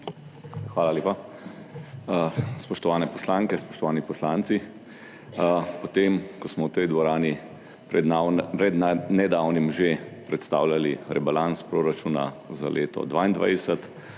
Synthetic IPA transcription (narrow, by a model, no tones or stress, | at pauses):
xʋaːlalʲeːpa | spɔʃt̪ɔʋaːnɛpɔslaːŋkɛspɔ̥ʃt̪ɔʋaːnipɔslaːnt̪si | pɔt̪emkɔsmɔwt̪ɛjd̪ʋɔɾaːni | pɾɛɾɛd̪nɛd̪aːwnimʒepɾɛt̪st̪a̰ːwlʲjaliɾɛbalanspɾoːɾat͡ʃuːna̰ | za̰lʔḛːt̪ɔ̰d̪ʋaːind̪ʋa̰jd̪ɛsɛt̪